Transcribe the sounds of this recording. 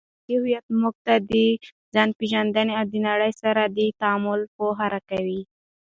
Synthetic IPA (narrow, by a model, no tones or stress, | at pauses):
ihʊjat̪mʊɡ̚t̪ad̪ə | zɑnpeʒand̪aneawd̪ənaɽəjsaɾad̪ət̪aamʊlpoɦaɾakawi